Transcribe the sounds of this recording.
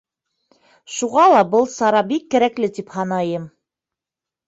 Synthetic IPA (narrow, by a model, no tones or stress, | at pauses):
ʃuʁɑlˠɑbɤlˠsɑɾɑbikːæɾæklɘt̪iphɑnɑjɤm